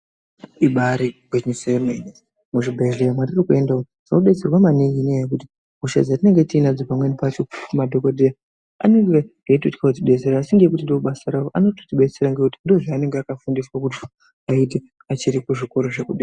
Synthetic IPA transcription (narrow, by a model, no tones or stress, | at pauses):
iɓaɾiɡʱweɲusemenes | muʐibʱeɮeamwaririkue̞ndao | d͡zaoɗe̞t͡se̞rwamaniŋɡinejek̬uti̥ | ɦuʃa̰d͡zatine̞ŋɡetinad͡zopamwe̞nepat͡ʃomadʱo̞kodʱea | a̰neŋɡe | aitoti̥kautiɓet͡seɾaːsiŋɡek̬utindouɓasaɾaoʔano̞totiɓe̞t͡seɾaŋɡekutindoʐeane̞ŋɡeakafundiswak̬uti̥ | ait̬e | at͡ʃiɾikuʐiko̞ɾo̞ʐe̞kuɗeːa